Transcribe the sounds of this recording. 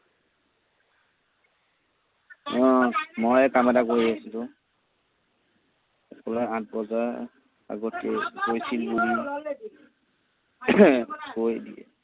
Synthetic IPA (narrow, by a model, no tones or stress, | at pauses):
ɔ̃mojɛkamɛtakoɹiasitʊ | ɛkʰɔlɔãt̚bɔzaɹ | a̰ɡɔtːɛ̰kojsilbuli | kojdiɛ̰